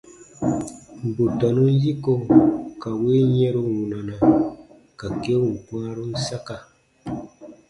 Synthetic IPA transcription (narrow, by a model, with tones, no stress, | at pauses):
m˨bo˨tɔ˨nu˦n˦ji˦ko˦ka˨we˦ɲɛ̃˦ɾo˦wũ˨nã˨na˨ | ka˨ke˦wu˨m̩˨pwã˦ɾo˦n̩˦sa˦ka˨